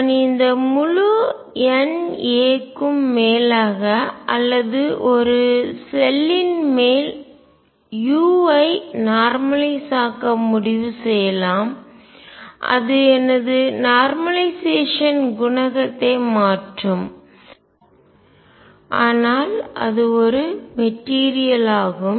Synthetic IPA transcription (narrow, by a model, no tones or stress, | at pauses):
nɪnd̪ɐmʊɻu | ɛneːkːɯmːeːlaːɣɐʔɐlːɐðɯʔɔɾɯsɛlːɪnmeːl | juːɐɪnaːɾmɐlɐɪsaːkɐmʊɽɪʋɯsɛjɐlaːm | ʔɐ̰ðɯɛnɐðɯnaːɾmɐlɐɪseːʂɐnɡʊnɐɣɐt̪ːɐɪmaːʈrɯm | ʔaːnaːlʔɐ̰ðɯɔɾɯmɛʈːiːɾɪjɐlaːɣɯm